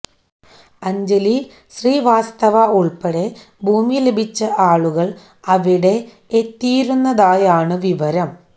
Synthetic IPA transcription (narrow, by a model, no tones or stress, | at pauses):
ɐɲd͡ʑeli | ɕriːʋaːst̪ɐʋɐuɭpɐɽe̞ | bʱuːmile̞bʱit͡ɕːɐʔaːɭuɣɐɭ | ɐʋiɽe̞ | et̪ːijɾunːɐðaːjaːɳɨʋiʋɐɾɐm